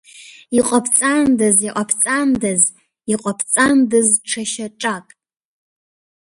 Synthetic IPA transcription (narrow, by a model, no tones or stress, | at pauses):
iqʼapʰt͡sʼandɨziqʼapʰt͡sʼandɨz | iqʼapʰt͡sʼandɨzʈ͡ʂʰaʃaʈ͡ʂʼakʼ